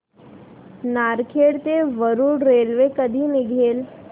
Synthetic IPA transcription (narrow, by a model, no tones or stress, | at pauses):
naːɾkʰeːɽt̪eʋəɾuːɽɾeːlʋekəd̪ʱimeɡʱeːl